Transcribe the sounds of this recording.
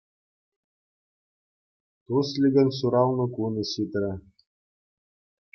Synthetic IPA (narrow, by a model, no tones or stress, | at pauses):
t̪uslʲiɡʲɘ̆nʲsuɾɑwnɤ̆kunɤ̆ɕit̪ɾʲɘ̆